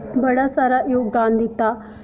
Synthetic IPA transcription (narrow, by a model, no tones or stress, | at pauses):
bɐɽasaɾajoɡaːnd̪ʱit̪ːa